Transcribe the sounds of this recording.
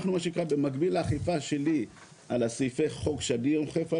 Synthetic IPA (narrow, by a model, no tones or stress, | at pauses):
χnumaʃeikʁabemaɡbilaːχifaʃeli | alasifeχo̞kʃadijomχefa